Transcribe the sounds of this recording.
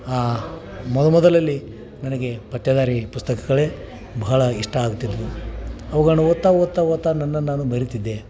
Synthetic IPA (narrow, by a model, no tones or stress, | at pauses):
aːmɔd̪ɐmɔd̪ɐlɐlːi | nɐnɐɡe̞pɐt̪jɐd̪aːɾipust̪ɐkɐɡɐɭe | bɐɦɐɭɐiʂʈɐaːɡut̪ːid̪ɾuɐʋɐɡɐnuʋot̪ːaʋot̪ːaot̪ːanɐnːɐnːaːnubɐɾit̪id̪ːe̞